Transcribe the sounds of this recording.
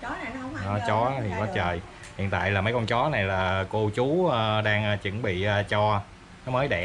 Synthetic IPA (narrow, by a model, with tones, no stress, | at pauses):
ɔ˨˦t͡ɕɔ˨˦t̪ʰi˨˩nɔ˨˦t͡ɕəː˨˩j | hḭ˧˨ənt̪a̰ː˧˨jlaː˨˩mə˨˦jkɔ˧wŋ͡mt͡ɕɔ˨˦na˨˩jlaː˨˩ko˧t͡ɕu˨˦əː˧ɗaː˧ŋəː˧t͡ɕə˧˩ŋɓḭ˧˨ʔəː˧t͡ɕɔ˧ | nɔ˨˦məː˨˦jɗɛ˧˩